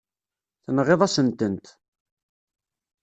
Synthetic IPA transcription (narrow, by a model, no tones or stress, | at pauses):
θənʁeðˤasənt̪ənt̪